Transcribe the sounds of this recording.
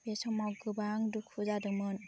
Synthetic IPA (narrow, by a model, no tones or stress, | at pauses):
besɔŋmawɡɯbaŋdukʰuzadɯmɯn